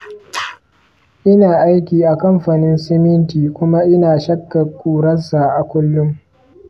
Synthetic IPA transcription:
ʔɪ˦naː˨ʔa˦jkʲiː˨ʔa˨kɐ˦mɸa˨nɪ˦nsɛ˦mɪ˦ntiː˨kʷʊ˦ma˦ʔɪ˦naː˨ʃɐ˦kːa˨kʷuː˨ɾɐ˦sa˨ʔa˨kʷʊ˦lːʊ˦m

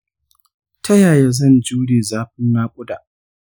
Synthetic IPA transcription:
tʰɐ˦jaː˨ja˦zɐ˦˨nd͡ʒuː˦ɽeː˨zaː˦ɸɪ˦nnaː˦kʷʼʊ˦daː˨ʔ

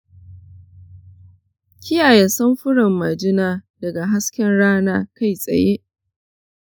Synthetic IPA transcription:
kʲʰɪ˦jaː˨jɛ˨nsɐ˦mɸʊ˦ɽɐ˨mːa˨d͡ʒɪ˦naː˦dɐ˨ɡa˨ɦa˦skʲɛ˦nɽaː˦naː˦ka˦˨jsʼɐ̰˨je˦ʔ

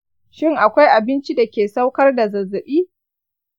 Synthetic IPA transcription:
ʃɪ˦˨ŋʔa˨kʷa˦jʔa˨bɪ˦nt͡ʃi˦da˨kʲeː˨sa˦wkɐ˦rda˨zɐ˨zːɐ˨ɓiː˦

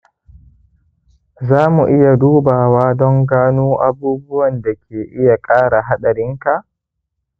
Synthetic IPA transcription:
zaː˦mu˨ʔɪ˦ja˨duː˦baː˨waː˦dɔ˦ŋɡaː˦nuː˦ʔa˨buː˦bʊ˦wɐ˨nda˨kʲeː˨ʔɪ˦ja˨kʼaː˦ɽa˨ɦa˦ɗɐ˨ɾɪ˦ŋka˨ʔ

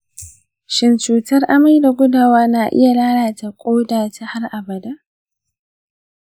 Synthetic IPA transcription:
ʃɪ˨nt͡ʃuː˨tɐ˦rʔa˦ma˦jda˨ɡʷʊ˦daː˨waː˦na˨ʔɪ̰˦ja˨laː˦ɽaː˨ta˨kʷʼoː˦daː˨ta˨ha˦rʔa˨bɐ˨da˦

